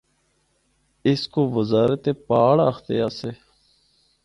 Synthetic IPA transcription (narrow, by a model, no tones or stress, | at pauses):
ɪskoːʋəzaːɾət̪eːpaːɽa̰xt̪ḛaːseː